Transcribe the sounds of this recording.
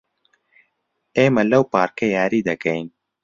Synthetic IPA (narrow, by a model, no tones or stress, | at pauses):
eːmɐlɐwpaːɾkɐjaːɾiːd̪ɐkɐjn